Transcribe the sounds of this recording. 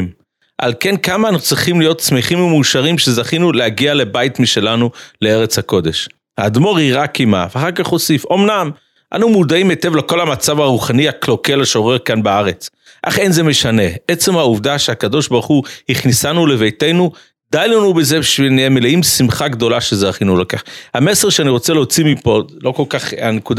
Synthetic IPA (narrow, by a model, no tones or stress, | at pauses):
m | ʔa̰lke̞nkamaːnaut͡sʁiχimlijo̞t̪smiχimemuʃaʁimʃe̞zaχinulehaɡialebajt̪miʃe̞lanuleeʁet͡shako̞d̪e̞ʃ | had̪mo̞ʁiʁakima̰veaχaʁkaχo̞sifo̞mnam | ʔa̰numud̪aimetevleko̞lhamat͡savaʁuχaniaklo̞kelaʃeoʁeʁkanbaaʁe̞t͡s | ʔa̰χenzeme̞ʃane̞et͡se̞mhauvd̪aʃeakad̪o̞ʃbaʁχuhiχnisanule̞vejtejnu | d̪̥ajnonubezeʃeniemeleʔimsimχaɡd̪o̞laʃezeaχinulakaχame̞seʁʃeaniʁo̞t͡seleot͡simipo̞lo̞ko̞lkaχanekud̪a